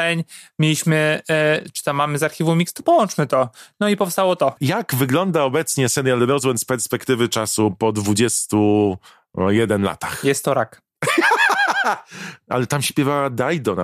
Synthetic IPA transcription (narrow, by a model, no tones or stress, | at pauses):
ɛɲmʲelʲiɕmɘt͡ʂɘ̥t̪amːamɘzaɾxʲivũmʲikst̪u̥pɔwɔnt͡ʂmɘt̪ɔnɔipɔfst̪awɔt̪ɔjaɡvɘɡlɔnd̪aɔbɛt̪sɲɛsɛnʲjalɾɔzwɛnt̪spɛɾspɛkt̪ɘvɘt͡ʂasupɔd̪vud͡ʑɛst̪u | jɛd̪ɛnla̰t̪axjɛst̪ːɔɾak | a̰lɛt̪amɕpʲjɛvawad̪ajd̪ɔna̰